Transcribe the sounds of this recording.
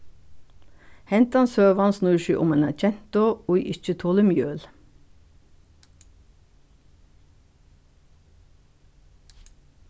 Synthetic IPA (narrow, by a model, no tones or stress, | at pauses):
hɛnt̪ɑnsøːʋɑnsnʉːʃyːʔʊmenæc͡çɛnt̪oʊiʔɪt͡ʃət̪ʰoːləmjøːl